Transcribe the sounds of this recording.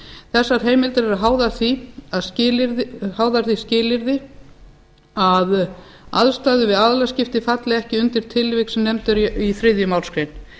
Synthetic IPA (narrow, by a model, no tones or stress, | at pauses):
θɛsːaɾ̥ɦeːjmɪlt̪aɾɛɾaðɦaːwðaɾθiaðscɪːlɪɾðhaːwðaɾ̥θiscɪːlɪɾðɪ | að | a̰ðst̪aːðʏvɪðaðlascɪft̪ɪfat̪lɪɛhcɪʏnt̪ɪɾ̥t̪ʰɪlvɪksmnɛmt̪ʏɾiθɾɪðjʏmaːwlskɾejn